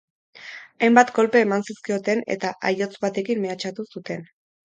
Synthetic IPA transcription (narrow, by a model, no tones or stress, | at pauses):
ajmbat̪ɡo̞lpe̞ːmansiskio̞t̪e̞ne̞̰t̪aʔajo̞t͡sβat̪e̞kimme̞at͡ʃat̪usut̪e̞n